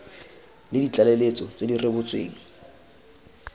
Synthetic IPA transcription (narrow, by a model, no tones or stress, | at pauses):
lɪdit͡ɬʼalelet͡sʼɔt͡sʼedirebʊt͡sʼwḛːŋ̩